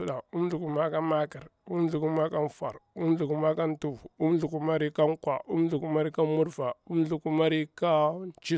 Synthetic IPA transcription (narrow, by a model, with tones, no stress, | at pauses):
ɗa˨u˦m˦ɮu˨ku˦ma˦ka˦ma˦ki˨ɾu˦m˦ɮu˨ku˦ma˦ka˦n˦fa̰˨ɾu˦m˦ɮu˨ku˨ma˦ka˦n˦tu˦vu˦m˦ɮu˨ku˦ma˦ɾi˦ka˦ŋkwa̰˨u˦m˦ɮu˨ku˦ma˦ɾi˦ka˦mu˦ɾva˨u˦m˦ɮu˨ku˦ma˦ɾi˦ka˦n˦t͡ʃi˦